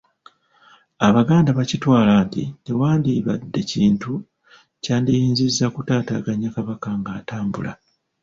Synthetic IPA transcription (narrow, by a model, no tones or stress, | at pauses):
aβaɡaːndaβacitwaːlaːntḭtewaːndiβa̰dːe̞ciːntu | caːndijiːnzizːakutaːtaɡaɲːakaβakaŋɡaːtaːmbṵla̰